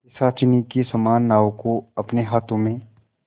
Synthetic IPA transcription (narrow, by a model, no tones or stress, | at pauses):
ɪsaːt͡ʃɪnikesɐmaːnːaːwokoɐpneɦaːt̪ʰõmẽ